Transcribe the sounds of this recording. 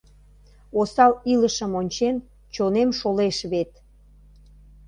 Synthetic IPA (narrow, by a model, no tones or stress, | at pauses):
osɑliləʃəmonʲt͡ɕen | t͡ɕonemʃoleʃβet̪